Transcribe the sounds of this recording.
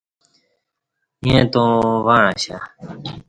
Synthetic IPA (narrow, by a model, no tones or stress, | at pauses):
jẽːt̪õːʋaːɳãːɕaː